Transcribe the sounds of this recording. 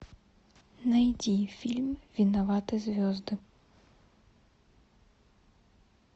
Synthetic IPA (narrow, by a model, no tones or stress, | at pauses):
najd͡zʲifʲilʲmvʲinavat̪ɨzʲvʲɔzd̪ɨ